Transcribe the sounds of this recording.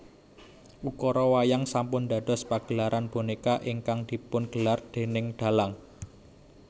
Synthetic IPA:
ʔukɔɾɔwajaŋsampʊnd̪a̤d̪̥ɔ̤spaɡ̥əlaɾʔanb̥onekaʔɪŋkaŋd̪̥i̤pʊnɡ̥əlard̪̥e̤nɪŋɖ̪̥a̤laŋ

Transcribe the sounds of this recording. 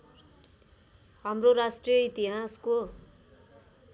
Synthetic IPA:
ɦamroɾasʈrijʌit̪iɦasko

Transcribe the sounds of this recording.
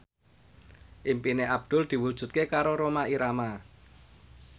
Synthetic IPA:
ʔimpineʔab̚d̪̥ʊ̤ld̪̥i̤wud̥ʒ̥ṳt̪̚kekaɾoɾomaiɾama

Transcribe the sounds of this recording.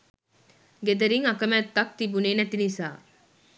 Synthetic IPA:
ɡed̪ɐɾiŋɐkɐmæːt̪ːɐk̚t̪ibuneːnɐt̪inisaː

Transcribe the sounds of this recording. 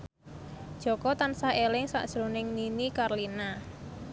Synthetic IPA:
d̥ʒ̥ɔ̤kɔt̪ansaelɪŋsa̰ʔd̥ʒ̥ɾonɪŋninikarlina

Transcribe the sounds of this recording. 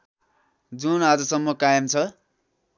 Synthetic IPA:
d͡zunad͡zʌsʌmːʌkajʌmt͡sʰʌ

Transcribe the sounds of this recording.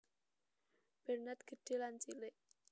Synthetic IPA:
b̥ɛ̤rnat̪̚ɡ̥ə̤ɖ̥e̤lant͡ʃileʔ

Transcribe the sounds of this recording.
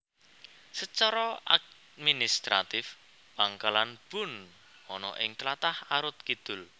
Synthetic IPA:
sət͡ʃɔɾɔʔa̰k | minist̪ɾat̪ɪf | baŋkalanb̥ʊ̤n | ɔnɔ̰ʔɪŋt͡ʃlat̪ahaɾʊt̪̚kid̪̥ʊ̤l

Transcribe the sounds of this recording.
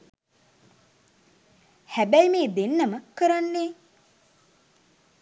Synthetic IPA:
hæbæjmeːd̪enːəməkəɾanːeː

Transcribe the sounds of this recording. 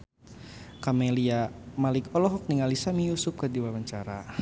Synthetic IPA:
kameliamalɪkɔlɔɦɔk̚niŋalisamijusʊp̚kadiwawaɲt͡ʃaɾa

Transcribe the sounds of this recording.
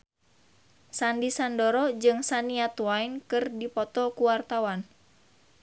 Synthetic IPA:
sandisandɔɾɔd͡ʒɨŋsaniat̪uwainkɨrdipɔt̪ɔkuwart̪awan

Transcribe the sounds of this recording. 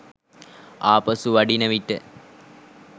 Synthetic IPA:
aːpɐsuʋɐɖinəʋiʈːə̰

